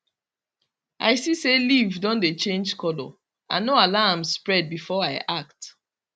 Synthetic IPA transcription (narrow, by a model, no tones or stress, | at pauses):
a̰ɪsiselivdɔ̃ndet͡ʃẽnd͡ʒkɔlɔ̰ | ʔa̰noalãmspɹɛd̚bifɔaɪʔakt